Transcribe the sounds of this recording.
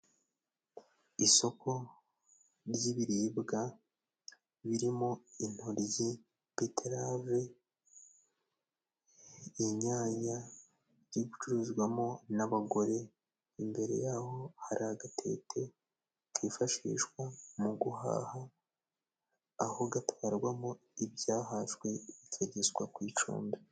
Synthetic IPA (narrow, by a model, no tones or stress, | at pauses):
iso̞ko̞ | ɾjiβiɾiːbɡa | βiɾimo̞in̥hoɾji | betʰeɾave | iɲaːɲa | ɾiɡut͡ʃuɾuzɡwamo̞naβaɡo̞ɾe̞ | imbe̞ɾe̞̰jaho̞haɾaːɡatʰe̞̰tʰe̞ | kʰifaʃḭːʃkwamuɡuha̰ːha | ho̞ɡatʰaːɾɡwamo | ibjaːɦaʃwe̞βiceɟezɡwakwiːt͡ʃṵːmbe